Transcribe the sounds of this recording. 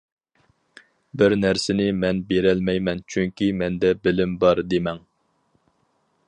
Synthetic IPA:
bɪɾnæɾsɪnɪmɛnbeɾɛlmɛjmɛnt͡ʃʰyŋkʲimɛnd̪ɛbɪlɪmbɑɾd̪emɛŋ

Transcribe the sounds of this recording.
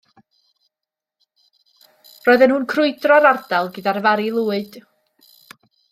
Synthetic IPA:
rɔɨðənhuːnkʰrʊɨdrɔɾardalˠɡɨdarvaɾilˠuːɨd̥

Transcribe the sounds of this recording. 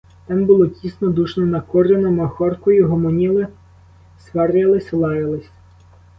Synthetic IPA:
t̪ɑmbʊlˠɔtʲisnɔd̪uʃnɔnɐkɔrenɔmɐxɔrkɔjʊɦɔmɔnʲilˠɪ | sʋɛrjɐlˠɪsʲlˠɑjɐlˠɪsʲ

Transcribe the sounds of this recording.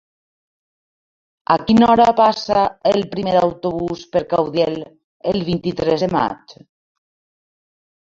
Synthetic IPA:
a̰kinɔɾapasaelpɾimeðawt̪oβ̞uspeɾkawðɛl | elβint̪it̪ɾɛzðema̰t͡ʃ

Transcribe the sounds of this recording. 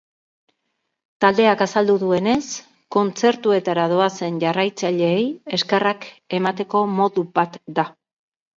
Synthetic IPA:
t̪ald̪e̞akasald̪uðue̞ne̞s | ko̞nt͡se̞ɾt̪ue̞t̪aɾað̞o̞ase̞nʝarajt͡saʎe̞ːje̞skerake̞mat̪e̞ko̞mo̞ðuβat̪d̪a

